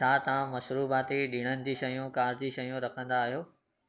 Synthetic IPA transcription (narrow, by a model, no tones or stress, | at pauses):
aːt̪ɐʋãmɐʃɾuːbaːt̪iɗɪɽ̃ənɪ̆d͡ʑiʃɐjũkaːɾd͡ʑiʃɐjũɾɐkʰə̃nd̪aːɦijoː